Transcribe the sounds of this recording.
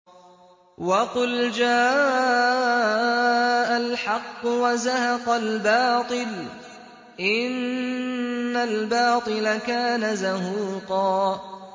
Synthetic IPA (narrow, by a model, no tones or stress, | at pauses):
wɑqʊld͡ʒaː | ʔalħɑqːʊwazahɑqɑlbɑːt̪ˤɨl | ʔɪnnː | albɑːt̪ˤɨlakaːnazahuːqɑː